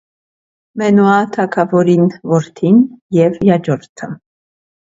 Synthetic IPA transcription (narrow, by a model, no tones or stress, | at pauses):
mɛnuɑt̪ʰɑkʰɑvɔɾinvɔɾt̪ʰinjɛvjɑd͡ʒɔɾt̪ʰə